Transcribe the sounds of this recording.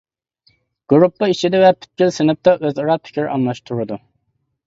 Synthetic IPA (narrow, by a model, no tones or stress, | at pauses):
ɡ̥uɾupːɑit͡ʃʰid̪ɛvɛpʰy̥t̪̚kʲilsɪnɨp̚t̪ɑʔøzɑɾɑpʰɪ̥kʲʰiɾʔɑnlˠɑʃt̪ʰuɾɨd̪u